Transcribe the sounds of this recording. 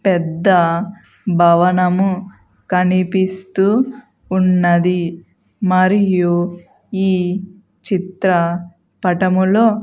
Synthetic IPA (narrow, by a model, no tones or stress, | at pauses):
pɛd̪ːɐ | bʱɐʋɐnɐmu | kɐnipist̪uː | nːɐd̪i | mɐɾiju | iː | t͡ʃit̪ɾɐ | pɐʈɐmulo̞ː